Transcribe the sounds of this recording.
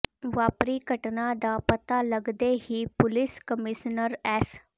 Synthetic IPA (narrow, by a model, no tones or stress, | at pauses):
ʋaːpɾiːɡəʈnad̪aːpət̪aləɡd̪eːɦiːpʊlɪskəmɪʃnəɾɛːs